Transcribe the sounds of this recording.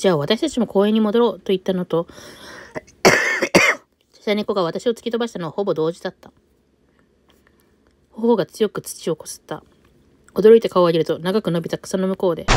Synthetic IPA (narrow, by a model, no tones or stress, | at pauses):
d͡ʑaːβat̪aɕi̥t̪at͡ɕimo̞kʰo̞ːẽ̞ɲ̟ːimo̞d̪o̞ɾo̞ːt̪o̞it̪ːano̞t̪o̞ | ḁɕaɲ̟iko̞ɡaβ̞at̪aɕio̞t͡sɨ̥kʲit̪o̞baɕi̥t̪ano̞aho̞bo̞d̪o̞ːʑid̪at̪ːa | hohoɡat͡sɨjo̞kɯ̟t͡sɨ̥t͡ɕio̞kosɨ̥t̪ːa̰ | o̞d̪o̞ɾo̞it̪e̞kaoaɡʲiɾɯ̟t̪o̞naɡakɯ̟no̞bʲit̪akɯ̟̥sano̞mɯ̟ko̞ːd̪e̞